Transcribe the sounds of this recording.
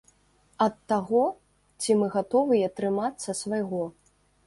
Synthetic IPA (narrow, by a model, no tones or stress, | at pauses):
ɐt̪ːaɣɔ | t͡sʲimɨɣat̪ɔvɨjɐt̪ɾɨmat̪sːɐsvajɣɔ